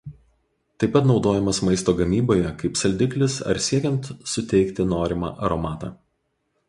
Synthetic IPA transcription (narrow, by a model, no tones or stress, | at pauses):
t̪ɐɪpːɐt̪nɒʊd̪oːjɛmɐsmɐɪst̪oːɡɐmʲiːboːjɛkɐɪpsɐlʲd̪ʲɪklʲɪsɐ̰ɾsʲiɛkʲɛnt̪sʊt̪ʲɛɪkt̪ʲɪnoːɾʲɪmɑ̰ːʔɐɾɔmɑːt̪ɑ̰ː